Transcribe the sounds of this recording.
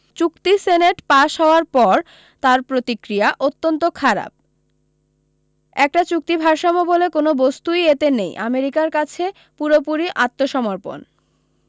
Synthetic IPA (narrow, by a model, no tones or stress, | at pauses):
t͡ɕukt̪iseneʈpaʃɦɔoaɾpɔɾ | t̪aɾpɾot̪ikɾijaʔot̪ːont̪okʰaɾa̰p̚ | ɛk̚ʈat͡ɕuk̚t̪ibʱaɾʃamobolekonobost̪ujet̪enejʔameɾikaɾkat͡ɕʰe | puɾopuɾiʔat̪ːoʃɔmoɾpo̰n